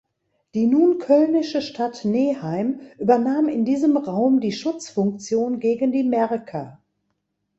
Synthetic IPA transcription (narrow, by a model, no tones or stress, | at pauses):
d̥iːnuːnkʰœlnɪʃəʃtʰatneːhaɪmʔyːbɐnaːmɪndiːzəmʁaʊmdiːʃʊt͡sfʊŋk̚t͡sjoːnɡeːɡən̩diːmɛʁkʰa